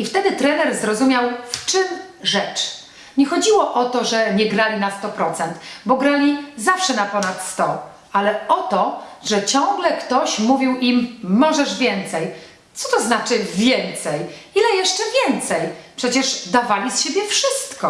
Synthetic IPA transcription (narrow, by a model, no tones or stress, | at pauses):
ift̪ɛd̪ɘt̪ɾɛnɛɾzɾɔzumʲjawft͡ʂɘm | ʐɛt͡ʂ | ɲɛxɔd͡ʑiwɔʔɔt̪ɔʐɛɲɛɡɾalʲinast̪ɔpɾɔt̪sɛnt̪bɔɡɾalʲizafʂɛnapɔnat̪st̪ɔ | alɛɔt̪ɔʐɛt͡ɕɔ̃ŋɡlɛkt̪ɔɕmuvʲiwimːɔʐɛʐvʲjɛnt̪sɛj | t̪sɔt̪ɔznat͡ʂɘvʲjɛnt̪sɛjilɛjɛʂt͡ʂɛvʲjɛnt̪sɛjpʂɛt͡ɕɛʐd̪avalʲisɕebʲjɛfʂɘst̪kɔ